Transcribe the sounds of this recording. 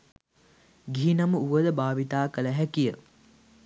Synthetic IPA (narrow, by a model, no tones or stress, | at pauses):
ɡiɦinaməuʋəd̪əbaːʋit̪aːkələɦækijə